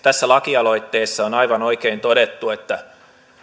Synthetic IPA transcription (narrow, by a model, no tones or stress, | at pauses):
t̪æsːælɑkiɑloit̪ːeːsːɑonɑiʋɑnoikeːnt̪oɾet̪ːuet̪ːæ